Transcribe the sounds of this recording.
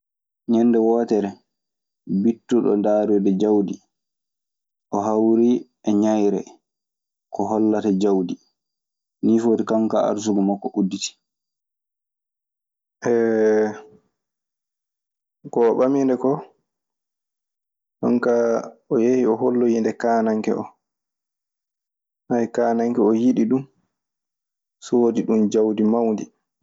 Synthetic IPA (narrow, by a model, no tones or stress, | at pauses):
ɲɛnːdɛwɔːtɛɾɛ | bitːuɗɔ̰ndaːɾɔdɛd͡ʒawdi | ʔɔɦawɾi | ɛɲajɾɛ̰ | kɔɦɔlːatad͡ʒawdi | niːfoːtikaŋkaa̰ɾs̬uɡɔmakːɔʔudːiti̥ | ʔɛ | kɔːɓamindɛkɔ | kaŋkaɔjehiɔɦolːɔjindɛkaːnaŋkɛ̰ɔ̰ | hajkaːnaŋkɛɔjiɗiɗum | sɔwodiɗumd͡ʒawdimawndi